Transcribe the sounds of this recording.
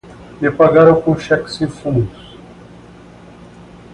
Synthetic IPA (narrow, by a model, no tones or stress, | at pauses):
epaɡaɾɐ̃w̃kõʃɛksĩfũʊs